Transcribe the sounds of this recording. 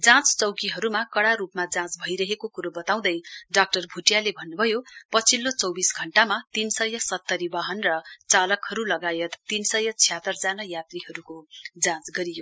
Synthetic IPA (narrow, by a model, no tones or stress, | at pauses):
d͡zãt͡st͡sʌwkiɦʌɾumakʌɽaɾupmad͡zãt͡sbʱʌiɾʌɦekokuɾobʌt̪aw̃d̪ʌjɖak̚ʈʌrbʱuʈjalebʱʌnːubʱʌjopʌt͡sʰilːot͡sʌwbisɡʱʌɳʈamat̪insʌjʌsʌt̪ːʌɾibaɦʌnrʌt͡salʌkhʌɾulʌɡajʌt̪ːinsʌjʌt͡sʰijat̪ːʌrd͡zanajat̪riɦʌɾukod͡zãt͡sɡʌɾijo